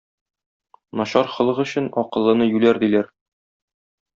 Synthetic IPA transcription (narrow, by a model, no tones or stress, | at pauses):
nɒɕɑɾχɤ̆lˠɤʁɵ̆ɕɘnɒqɤ̆lˠːɤ̆nɤjʉlæɾd̪ilæɾ